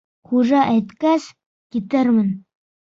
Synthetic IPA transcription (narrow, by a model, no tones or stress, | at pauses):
χuʒɑʔæjt̪kæs | kit̪ɘɾmɘn